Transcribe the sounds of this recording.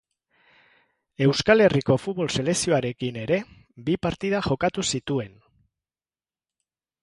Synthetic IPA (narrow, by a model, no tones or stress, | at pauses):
e̞wskale̞riko̞fut̪̚βo̞lse̞le̞ksio̞aɾe̞kine̞ɾe̞ | bipaɾt̪iðaʝo̞kat̪usit̪ue̞n